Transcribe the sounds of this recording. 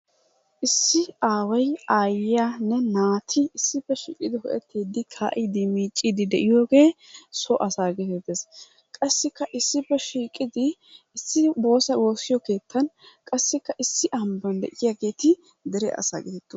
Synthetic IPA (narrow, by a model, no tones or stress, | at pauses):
ʔɪsːɪaːwɐjaːjɪjanːɛnaːt̪ʰɪːsːɪpːɛʃḭːkʼɪd̪ɪhɔʔɛt̪ːiːd̪ɪkʰa̰ːʔɪd̪ɪmiːt͡ʃʼːɪd̪ɪd̪ɛʔɪjoːɡe̞ːsɔʔɐsaːɡɛt̪ɛt̪ːes | kʼɐsːɪkːɐʔɪsːɪpːɛʃiːkʼɪd̪ɪː | sːɪbo̞ːsɐwo̞ːsːɪjɔke̞ːt̪ːɐnkʼɐsːɪkːɐʔɪsːɪʔɐmbɐnd̪ɛʔɪjaɡe̞ːt̪ɪ | d̪ɛɾɛ̰ʔɐ̰sa̰ːɡɛt̪ɛt̪ːo